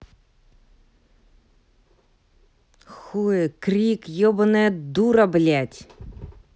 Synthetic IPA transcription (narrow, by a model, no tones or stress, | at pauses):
xuekɾʲikjɔbɔnɛd̪uɾɐblʲatʲ